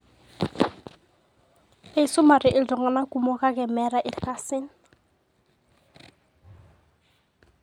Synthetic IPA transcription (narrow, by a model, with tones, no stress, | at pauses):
e˨su˦ma˨ɾɪ˨ʔi˨ldɔ˨ŋa˨na˦ku˨mɔ˦ka˦ɡɛ˨mɛ˦ɾa˨ʔi˨ɾka˨sɪ˦n